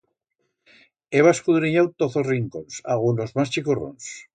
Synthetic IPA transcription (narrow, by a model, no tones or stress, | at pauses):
eβaeskuðɾiɲawt̪oθozriŋkonsa̰ɣunozmast͡ʃikoro̰ns